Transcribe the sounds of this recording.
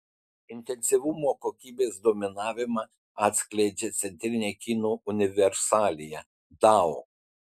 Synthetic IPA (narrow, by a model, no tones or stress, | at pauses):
ɪnʲt̪ʲɛnʲsʲɪʋʊmoːkokʲiːbʲeːsd̪oːmʲɪnɑːʋʲɪmɑ | ɑːt̪ʲsʲkʲlʲɛɪd͡ʒʲet̪sʲɛnʲt̪ʲɾʲɪnʲeːkʲinoːʊnʲɪʋʲɛɾsɑːlʲɪjɛ | d̪ɑo